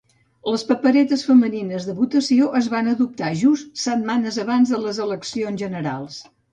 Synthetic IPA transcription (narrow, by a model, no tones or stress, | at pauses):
ləspəpəɾɛt̪əsfəməninəzðəβut̪əsioʔəzβanəðup̚t̪aʒust̪sət̪manəzəβanzðələzələksionzʒənəɾa̰lˠs